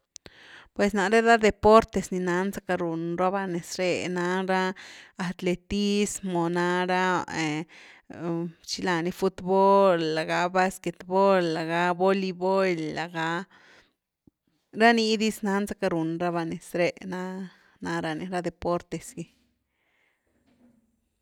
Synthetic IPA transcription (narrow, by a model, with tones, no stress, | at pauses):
pwe˨sna˧ɾe˦d̪a˦d̪e˧po˦ɾt̪e˧sni˧na˧˦nza˦ka˧ɾu˨nɾa˦βa˧ne˨sɾe˧na˧ɾa˦a˧t̪le˧t̪i˦smo˨na˧ɾa˦e˨ | t͡ʃi˧la˧˨ni˧fu˧t̪bo˦lːa˨ɡa˧ba˧ske˧t̪bo˦lːa˨ɡa˧bo˦li˧bo˦jlːa˨ɡa˧˦ | ɾa˦ni˧˦d̪i˦sna˧˦nza˦ka˧ɾu˨nɾa˦βa˧ne˨sɾe˧na˦ | na˧ɾa˧ni˧ɾa˦d̪e˨po˦ɾt̪e˨sɡi˧